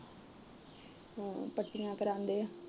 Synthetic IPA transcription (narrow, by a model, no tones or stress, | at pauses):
pəʈːɪjãːkəɾãːnd̪eː